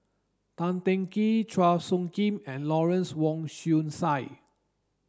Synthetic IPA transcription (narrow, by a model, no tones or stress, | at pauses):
t̪ãntɛ̃ŋkitʰɹafsũŋkĩmɛ̃nlɔɹɛ̃nswɔ̃ŋʃũnsaj